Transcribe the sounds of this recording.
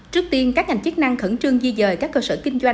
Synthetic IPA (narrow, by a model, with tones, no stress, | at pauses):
t͡ɕɨ˦˥ək̚t̪i˧ənkaː˦˥k̚ŋa˨˩jŋ̟t͡ɕə˦˥k̚na˧ŋxə˧˩nt͡ɕɨ˧əŋzi˧zəː˨˩jkaː˦˥kːəː˧səː˧˩kï˧ŋ̟zwa˧